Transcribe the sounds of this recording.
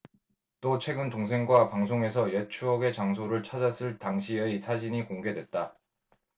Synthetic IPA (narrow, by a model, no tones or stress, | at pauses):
t͈ot͡ɕʰwe̞ɡɯntoŋs̬ʰe̞ŋɡwapaŋs̬ʰoŋe̞sʰʌjet͡ɕʰuʌɡe̞t͡ɕaŋs̬ʰoɾɯɭt͡ɕʰad͡ʑas͈ʰɯɭtaŋɕʰieisʰad͡ʑiɲikoŋɡe̞dwe̞t̚t͈a